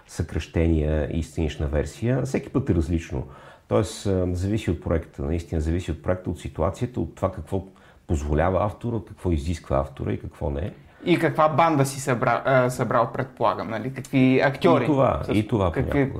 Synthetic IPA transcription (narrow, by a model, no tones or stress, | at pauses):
səkɾɐʃt̪ɛniəḭst̪ɐniʃnɐvɛɾsijəfsɛk̟i̥pɤt̪ɛɾɐzlit͡ʃno̰t̪ɔɛsəzɐvisiot̪̚pɾoɛkt̪ʰənɐist̪inəzɐvisiot̪̚pɾoɛk̚t̪əot̪sit̪ua̰t̪sijət̪əot̪ːovakɐkvɔ | pozvolʲavəaft̪oɾəkɐ̥kvɔiziskvə̰a̰ft̪o̰ɾə̰ikɐkvɔnɛ̰ | ikɐkvaband̪əsisɐbɾasɐbɾaot̪̚pɾɛt̪̚polˠaɡəmnɐlikɐkviɐkt̪ʲɔɾɾit̪ova̰it̪ovapɲʲa̰